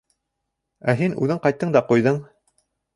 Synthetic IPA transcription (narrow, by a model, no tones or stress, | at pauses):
æɦinʉ̰ðɘɴqɑjt̪ːɤɴd̪ɑqujðɤɴ